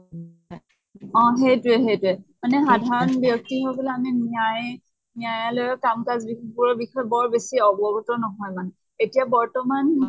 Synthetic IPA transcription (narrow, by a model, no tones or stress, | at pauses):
ɔ̃ɦejtʊɛɦejtʊɛmanɛxadʱaɹɔnbjɔk̚tiɦojbɔlɛamimiaj | mijajalɔjkamkazbibuɹɔbixɔjɔbɔɹbesiɔbɔɡutɔnɔɦɔjman | etijabɔɹtɔman